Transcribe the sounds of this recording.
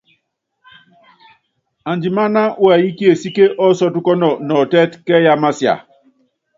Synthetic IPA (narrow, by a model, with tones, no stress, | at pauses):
a˨nd͡ʒi˨ma˦na˦ʔwa˨ji˦ki˦e˨si˦ke˦ʔɔ˦sɔ˦tu˦kɔ˦nɔ˨nɔ˨tɛ˦tkɛ˦ja˦ma˦sja̰˨